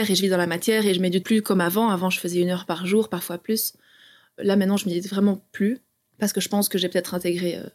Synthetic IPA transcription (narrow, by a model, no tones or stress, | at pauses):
ɛʁeʒəvid̪ɑ̃lamat̪jɛʁeʒəmed̪yt̪̚plykɔmavɑ̃avɑ̃ʒəfəzɛynœʁpaʁʒuːʁpaʁfwaplys | lamɛ̃t̪nɑ̃ʒəmed̪yt̪vʁɛmɑ̃ply | paʁsə̥kəʒəpɑ̃skəʒɛpø̥t̪ɛt̪χɛ̃t̪eɡʁeø̰